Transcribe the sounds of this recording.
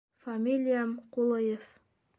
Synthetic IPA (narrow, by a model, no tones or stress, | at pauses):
famʲilʲijamqulˠɤjef